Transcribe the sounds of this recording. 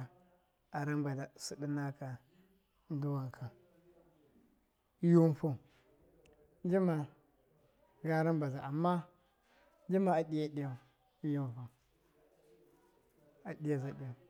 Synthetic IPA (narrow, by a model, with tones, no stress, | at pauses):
a˨ɾa˦mba˨da˨su˦di˦na˦ka˨ | n˦du˦wa˨kʰa˨˦ | ju˦nfo˦˨ | d͡ʒi˦ma˨ | ɡa˦ɾa˦nba˨za˨ʔa˨mːa˦ | d͡ʒi˦ma˨a˨ɗi˦ja˦di˦ja˨˦ | ju˦n˨fa˨ | a˨di˦ja˨za˨ɗi˦ja˨